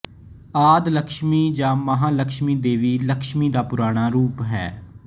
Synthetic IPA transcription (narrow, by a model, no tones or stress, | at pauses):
aːd̪ləkʃmiːd͡ʒaːməɦãːləkʃmiːd̪eːʋiːləkʃmiːd̪aːpʊɾaːɽ̃aːɾuːpɦɛː